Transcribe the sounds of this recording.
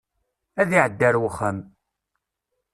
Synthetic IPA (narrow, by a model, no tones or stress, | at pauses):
æðiʕəd̪ːæɾwəχəm